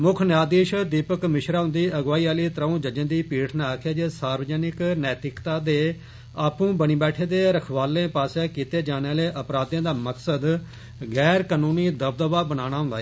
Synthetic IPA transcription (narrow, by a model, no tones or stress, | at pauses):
mʊkʰnaːd̪iːʃd̪iːpəkmɪʃɾaːɦʊ̃nd̪iːəɡʋaːiːaːliːt̪ɾəõːd͡ʒəd͡ʒə̃ːd̪iːpiːʈʰnaːkʰaːd͡ʒesaːɾʋəd͡ʒəːnɪknɛːt̪ɾɪkt̪aːd̪eː | aːpũːbəɽiːbɛːʈʰeːd̪eːɾəkʰʋaːlẽːpaːsɛːkiːt̪eːd͡ʒaːneaːleːʔəpɾaːd̪ãːd̪aːməksəd̪ | ɡɛːɾkaːnũːniːd̪əb̚d̪ʋaːbənaːñaːɦʊ̃nd̪aː